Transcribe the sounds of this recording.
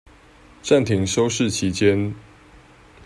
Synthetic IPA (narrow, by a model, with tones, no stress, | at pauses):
ʈ͡ʂa˥˨nt̪ʰi˨˥ŋʂo˦ʊʂɻ̩˥˨t͡ɕʰi˨˦t͡ɕjɛ˦n